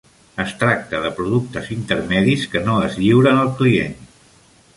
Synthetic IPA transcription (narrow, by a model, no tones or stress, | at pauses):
əst̪ɾak̚t̪əðəpɾuðuk̚t̪əzint̪əɾmɛðiskənoəzʎiwɾənəlˠkliḛn